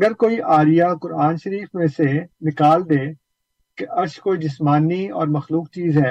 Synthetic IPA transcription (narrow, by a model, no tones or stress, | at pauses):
ɐɡəɾkoːiʔaːɾijakʊɾaːnʃəɾiːfmẽsenɪkaːld̪eː | keʔɐɾʃkoːid͡ʒɪsmaːniɔ̰ːɾmɐxluːk̚t͡ʃiːzɦɛː